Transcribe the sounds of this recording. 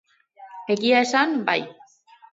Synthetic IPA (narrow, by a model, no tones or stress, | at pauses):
e̞ɣiae̞sanba̰j